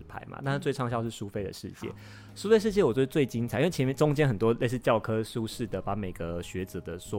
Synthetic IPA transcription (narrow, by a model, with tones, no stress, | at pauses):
pʰa̰˧˦ɪma̰˨t̪a˥˧n̩˥˩t͡swe˥˧ɪʈ͡ʂʰɑ˥˧ŋɕjɑ˥˧ʂɻ̩˥˩ʂu˦fe˥˩ɪdə̰˨˩ʂɻ̩˥˧t͡ɕjɛ̰˥˩ | ʂu˥fe˥˧ʂɻ̩˥˧t͡ɕ̬jɛ˥˩wɔ˨˩t͡ɕɥɛ˧˥ə˧t͡swe˥˩ɪt͡ɕi˥nt͡sʰi˥wt͡ɕʰmjɛ˥˧˩ʈ͡ʂʊ˥ŋt͡ɕjɛ˥nxə˨˩nt̪wɔ˦le˥˧ɪʂ̬ɻ̩˥˧t͡ɕjɑ˥˨˩ʊkʰɤ˥ʂu˥ʂɻ̩˥˩d̪ə˩pa˧˥me˨˩ɪɡə˦ɕɥɛ˧˥ʈ͡ʂə˨˩d̪ə˨swɔ˥